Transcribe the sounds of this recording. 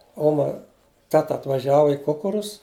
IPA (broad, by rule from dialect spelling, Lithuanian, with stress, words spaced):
ˈoːmɐ ˈtʲæːtɐ ɐtʋɐˈʒʲæːʋɐ ɪ ˈkʊkʊrʊs